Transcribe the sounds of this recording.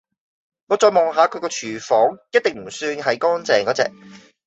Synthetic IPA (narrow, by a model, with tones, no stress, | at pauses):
ŋɔː˨˧t͡sɔː˧jmɔ˨ŋɦaː˨˧kʰɵ˨˧ɥkɔː˧t͡ʃʰyː˨˩fɔː˨˥ŋjɐ˥t̚t̪e˨ŋm̩˨˩syː˧nɦɐ˨jkɔː˥nt͡sɛː˨ŋkɔː˨˥t͡sɛ̰ː˨˧k̚